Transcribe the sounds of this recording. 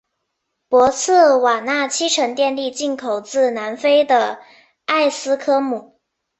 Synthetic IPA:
pwɔ˧˥t͡sʰɹ̩˥˩wa˨˩na˥˩t͡ɕʰi˥ʈ͡ʂʰɤ˧˥ŋt̪jɛ˥˧nli˥˧t͡ɕi˥˩nkʰo˨˩ʊt͡sɹ̩˥˩na˧˥nfe˥ɪd̪ə˨ | a˥˩ɪsɹ̩˥kʰɤ˥mu˨˩˦

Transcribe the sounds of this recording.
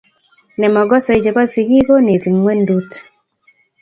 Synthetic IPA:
nɛ˨mɔ˨ɡɔ˦sa˨i˨d͡ʒe˨pa˦si˨ɡi˦ko˦ne˨ti˨ŋwɛ˦ndu˦t

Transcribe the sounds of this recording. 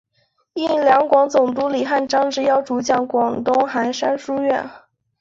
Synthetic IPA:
i˥˩ljɑ˧˥ŋkwɑ˧˥ŋt͡sʊ˨˩ŋt̪̬u˧˥li˨˩xa˥˩nʈ͡ʂɑ˥ŋʈ͡ʂɻ̩˧˥jɑ˥˩ʊʈ͡ʂu˧˥t͡ɕjɑ˥˩ŋkwɑ˨˩ŋt̪ʊ˥ŋxa˧˥nʂa˥nʂu˥ɥɛ̰˥˩n

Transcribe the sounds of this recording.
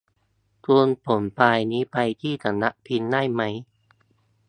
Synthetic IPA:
t̪uː˧npʰo˩˦npaː˧jniː˦˥pa˧jt̪ʰiː˥˩t̪ʰa˧nːa˦˥ʔpʰi˧nːa˥˩jma˦˥j

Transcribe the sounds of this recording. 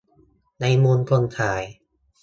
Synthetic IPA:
na˧jmuː˧nkʰo˧nt̪ʰaː˩˦j

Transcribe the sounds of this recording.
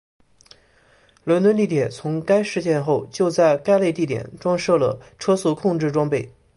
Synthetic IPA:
lwə˧˥nt̪wə˥nt̪i˥˩t̪jɛ˨˩nt͡sʰʊ˧˥ŋka˥ɪʂɻ̩˥˧ɕjɛ˥˧nxo˥˩ʊt͡ɕjo˥˧ʊt͡sa˥˩ɪka˥ɪle˥˧ɪt̪i˥˩t̪jɛ̰˨˩˦nʈ͡ʂwɑ˥ŋʂɤ˥˩lə̰˩ʈ͡ʂʰɤ˥su˥˩kʰʊ˥˧ŋʈ͡ʂɻ̩˥˩ʈ͡ʂwɑ˥ŋpe˥˩ɪ

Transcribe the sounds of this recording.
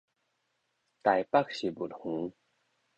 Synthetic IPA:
t̪a˨jpa˥k̚ɕi˨˩bu˨thũ˨˦

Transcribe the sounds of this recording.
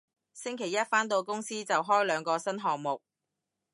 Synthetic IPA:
sɪ˥ŋkʰe˨˩jɐ˥t̚faː˥nt̪o˧wkʊ˥ŋsiː˥t͡sɐ˨wɦɔː˥jlœː˨˧ŋkɔː˧sɐ˥nɦɔː˨k̚mʊ˨k̚

